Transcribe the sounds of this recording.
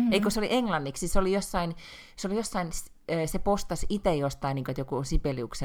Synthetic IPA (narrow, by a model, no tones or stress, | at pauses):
eikoseoliʔeŋlɑnːiksiseolijosːɑin | seolijosːɑinsː | sepost̪ɑsit̪ejost̪ɑiniːŋkoet̪jokunsipeliukse